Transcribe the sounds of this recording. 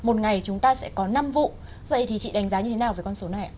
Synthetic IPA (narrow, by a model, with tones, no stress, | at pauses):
mo˨˩t̚ŋa˨˩jt͡ɕʊ˨˦ŋ͡mt̪aː˧sɛ̰˧˥kɔ˨˦na˧mvṵ˧˨ | və̰˧˨jt̪ʰi˨˩t͡ɕḭ˧˨ɗa˨˦jŋ̟zaː˨˦ɲɨ˧e˨˦naː˨˩wvəː˨˦kɔ˧nso˨˦na˨˩ja̰˨